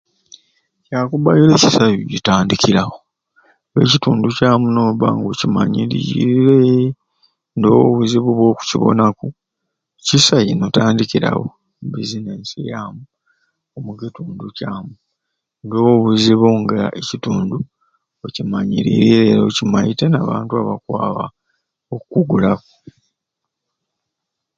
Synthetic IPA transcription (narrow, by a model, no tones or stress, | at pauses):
caːkuβajileci̥sajuɟitaːndikiɾaho | we̞̰cituːnducaːmunoːβa̰ːŋɡocima̰ɲiɾḭiɾe | ndowoβuziβuβwo̞ːku̥ciβo̞̰naku | cisajinotaːndikiɾa̰wo̰ | bizineːnsijamu | omukituːnducaːmu | ndo̞woβuziβuŋɡaʔecituːndu | ocimaɲiɾiɾiɾe̞ːɾocimajitenaβaːntuaβakwaːβa̰ | okukuɡulaku